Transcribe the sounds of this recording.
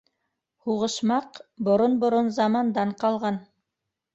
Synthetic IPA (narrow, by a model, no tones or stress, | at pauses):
huʁɤ̆ʃmɑqbŏɾonbŏɾonzɑmɑnd̪ɑɴqɑlˠʁɑn